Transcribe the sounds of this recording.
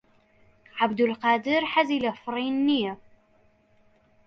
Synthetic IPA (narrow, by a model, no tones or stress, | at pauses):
ʕabd̪ʊlqɑːd̪əɾħazilafɾˤiːnːija